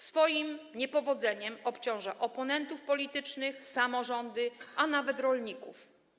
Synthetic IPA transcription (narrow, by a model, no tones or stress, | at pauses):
sfɔjimɲɛpɔvɔd̪zɛɲɛmɔpt͡ɕɔ̃w̃ʐaʔɔpɔnɛnt̪ufpɔlʲit̪ɘt͡ʂnɘxsamɔʐɔnd̪ɘʔanavɛt̪ɾɔlɲikṵf